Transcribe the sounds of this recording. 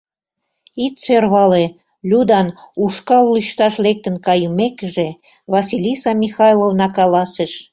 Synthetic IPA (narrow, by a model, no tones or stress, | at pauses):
it̪serβɑle | lʲud̪ɑnuʃkɑlːyʃt̪ɑʃlek̚t̪ə̆nkɑjumekəʒe | βɑsilʲisɑmʲixɑjlovnɑkɑlɑseʃ